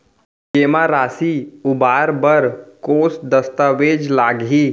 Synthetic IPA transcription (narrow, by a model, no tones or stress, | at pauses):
kemaɾaːsiubaːɾbəɾkoːsd̪əst̪aʋeːd͡ʒlaɡɦiː